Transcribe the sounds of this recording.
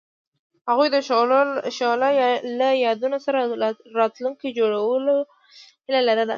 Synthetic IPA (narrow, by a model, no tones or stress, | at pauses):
haɣujd̪ə | ʃɑlalajɑd̪unosaɾaɾɑt̪luŋkid͡ʒoɽawəlo | hɪlalaɾad̪a̰